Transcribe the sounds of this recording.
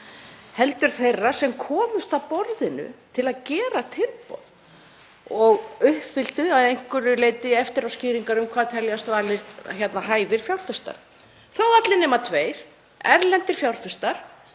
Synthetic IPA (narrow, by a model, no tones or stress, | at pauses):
hɛlt̪ʏɾ̥θejrːasɛmkʰɔːmʏst̪awpɔɾðɪnʏ̰t̪ʰɪlaðcɛːɾat̪ʰɪlpɔ̰ð | ɔɣʏhpθɪl̥t̪ʏaðejŋ̥kʏɾʏleːjt̪ɪɛft̪ɪɾawsciːɾiŋkaɾʏmkʰvaːðt̪ʰɛljast̪vaːɾlɪɾ̥t̪çɛt̪nahaːjvɪɾ̥fjawlθœst̪a̰ɾ̥ | θawat̪lɪnɛːmat̪ʰveːjɾ̥ | ɛɾlɛnt̪ɪɾ̥fjawlθœst̪aɾ̥